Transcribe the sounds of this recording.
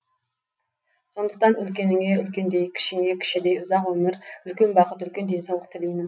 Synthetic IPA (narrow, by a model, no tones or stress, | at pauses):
sond̪ə̥q̚t̪ɑnylkʲenɪŋeylkʲend̪ejkʲʰi̥ʃiŋekʲʰi̥ʃid̪ejʊzɑqwømɪɾylkʲynbɑqət̪ylkʲynd̪ensɑwlˠəq̚t̪ʰɪlijnɪm